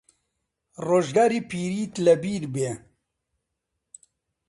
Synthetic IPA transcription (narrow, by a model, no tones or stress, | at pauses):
roːʒɡaːɾiːpʰiːɾiːt̪lɐbiːɾbeː